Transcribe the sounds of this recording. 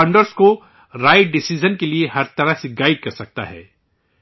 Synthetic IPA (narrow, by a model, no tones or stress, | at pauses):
ɐ̃ɳɖəɾsko | ɾaːɪʈ̚ɖɪsid͡ʒənkelieɦɐɾt̪ɐɾaseɡaːɪɖ̚kɐɾsɐk̚t̪a̰ɦɛ̰ː